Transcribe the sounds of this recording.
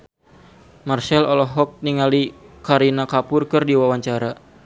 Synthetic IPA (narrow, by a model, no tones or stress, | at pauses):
marsɛlɔlɔɦɔk̚niŋalikaɾinakapurkɨrdiwawaɲt͡ʃaɾa